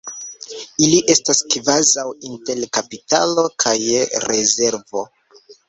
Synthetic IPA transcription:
iliʔe̞staskvazawinte̞lkapita̰lo̞kʰajɾe̞ze̞ɾvo̞

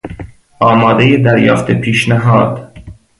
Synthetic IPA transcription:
ʔɒːmɒːd̪ejed̪æɾjɒːft̪ʰepʰiːʃnæɦɒːd̪̥

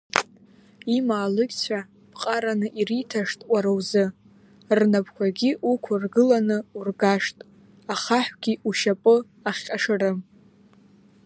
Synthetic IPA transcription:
imaːlɨkʲt͡sʷʰa | b̥qʼaɾanɨʔiritʰaʂtʼwʷaɾowzɨ | rnapʰkʷʰaɡʲiʔukʷʰarɡɨlanɨurɡaʂtʼ | aχaħʷɡ̥ʲiʔuʃapʼɨ | aχʲqʲʼaʂɨrɨm

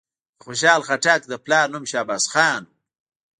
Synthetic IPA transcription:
d̪əxoʃ̬ɑːlxaʈak̚d̪əplɑːɾnumʃɑːbasxɑːn

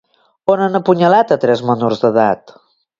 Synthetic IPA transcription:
onənəpuɲəlat̪ət̪ɾɛzmənurzðəðat̪

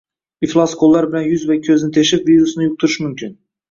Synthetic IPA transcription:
iflˠaskʰolˠːaɾbɪlanjʊzvakʲʰɵzɪnɪt̪ʰeʃɪpviɾusnɪjʊq̚t̪ʰʊɾʊʃmʊmkʰʲɪn

